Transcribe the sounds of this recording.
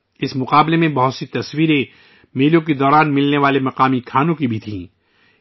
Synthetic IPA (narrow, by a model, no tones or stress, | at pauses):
ɪsmʊqaːblemẽbɐɦʊt̪sit̪ɐswiːɾẽ | meːlõk̬ed̪ɔːɾaːnmɪlneʋaːlemɐqaːmikʰaːnõkibʱit̪ʰĩː